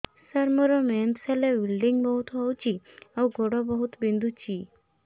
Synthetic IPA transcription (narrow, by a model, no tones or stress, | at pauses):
səɾmɔɾɔmemsalebilɖiŋɡbəɦut̪ʋawt͡ɕiawɡʱoɽɔbəɦut̪bind̪ut͡ɕiː